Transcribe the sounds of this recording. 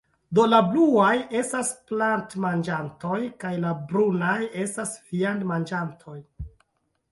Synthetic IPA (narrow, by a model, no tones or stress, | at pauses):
do̞labluaje̞stasplantmand͡ʒanto̞jkajlabɾunaje̞stasvianmand͡ʒantʰo̞j